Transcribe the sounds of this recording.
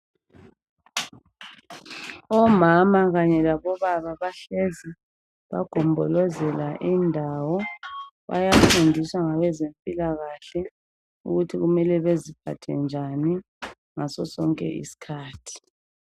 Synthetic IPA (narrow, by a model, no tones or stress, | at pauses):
ɔmamaɣaɲɛlaβɔβaβaβaɬezi | βa̰ɡ̥ʱɔmbʱɔlɔzɛlaʔindʱawɔβa̰jafundʱiswaŋaβɛzeɱpʼilaɣaɬɛ | ṵɣutʰiɣumɛlɛβezipʰa̰tʰɛnd͡ʒʱani | ŋasɔsɔŋkʼɛ̰ʔḭsi̥kʰaːtʰi̥